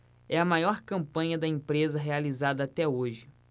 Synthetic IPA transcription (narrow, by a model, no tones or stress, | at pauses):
ɛɐmajɔɾkɐ̃mpɐ̃ɲɐd̪ɐẽpɾezɐɦealizad̪ɐːt̪ɛoʒɪ